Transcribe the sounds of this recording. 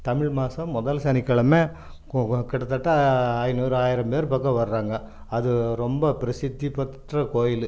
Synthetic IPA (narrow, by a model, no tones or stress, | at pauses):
t̪ɐmɪɭmaːsɐ̃mːɔðɐlsɐnɪkːɐɭɐmeː | kɪɽɐt̪ːɐʈːɐaːjɪnuːɾɯaːjɪɾɐmpeːɾɯpɐkːɐʋɐɾɯɾaːŋɡɐ | ɐðɯɾɔmbɐpɪɾɐsɪd̪ːipɐʈrɐkoːjɪlɯ